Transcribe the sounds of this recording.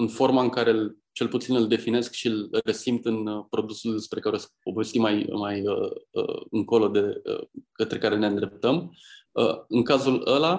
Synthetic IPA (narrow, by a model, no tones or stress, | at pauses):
ɨnfo̞rmaɨŋkaɾe̞l | t͡ʃe̞lput̪sinɨld̪e̞fine̞skʃilɾe̞simpt̪ɨnpɾo̞d̪usuld̪spɾe̞kaɾesəpobest̪imajmajəə̰ɨŋko̞lo̞d̪e̞ə̰kət̪ɾe̞kaɾe̞ne̞ɨnd̪ɾe̞p̚t̪əm | ə̰ɨŋkazuləla